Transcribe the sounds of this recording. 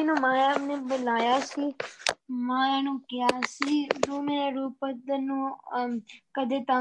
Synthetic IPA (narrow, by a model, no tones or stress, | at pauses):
ɪnũːmãːjaːnẽːbəlaːjaːsiː | mãːanũːkɪjaːsiːɾuːmẽːɾaɾuːpəd̪ənũː | kəd̪eːt̪a